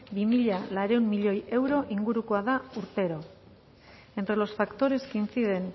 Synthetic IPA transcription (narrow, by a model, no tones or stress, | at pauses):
bimiʎalaɾe̞unmiʎo̞je̞wɾo̞ʔiŋɡuɾukoaðauɾt̪e̞ɾo̞ | e̞nt̪ɾe̞lo̞sfakt̪o̞ɾe̞skint͡siðe̞n